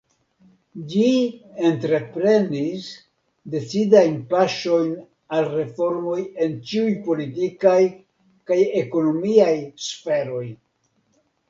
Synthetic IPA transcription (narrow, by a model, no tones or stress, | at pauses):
d͡ʒientɾe̞pɾe̞nis | de̞t͡sidajnpaʃo̞jn | alre̞fo̞ɾmo̞je̞nt͡ʃiujpo̞litikaj | kaje̞ko̞no̞miajsfe̞ɾo̞j